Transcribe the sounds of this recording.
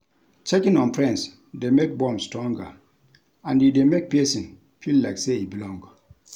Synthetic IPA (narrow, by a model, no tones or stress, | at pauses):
t͡ʃekĩnɔ̃npʰɹɛ̃ns | demek̚bɔ̃msːtɹɔ̃ŋɡə̰ | ãnjidemek̚piɛsĩn | fillaɪkseibilɔ̃ŋɡ